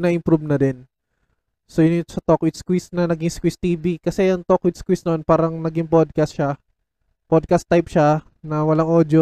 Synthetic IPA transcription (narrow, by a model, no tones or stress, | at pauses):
nɐʔɪmpɾubnɐdɛn | sojʊnɪt̪osɐt̪okwɪd̪̚skwisnɐnɐɡiŋskwist̪iːbikɐsɛjɐŋt̪okwɪd̪skwisnɐonpaːɾɐŋnɐɡiŋpod̪̚kɐst̪ʃa | pod̪̚kɐst̪ːajpʃa | nɐwɐlaŋʔod̪jo